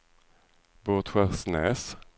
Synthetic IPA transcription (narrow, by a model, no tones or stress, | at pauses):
boːt̪ɧɛʁsnɛːs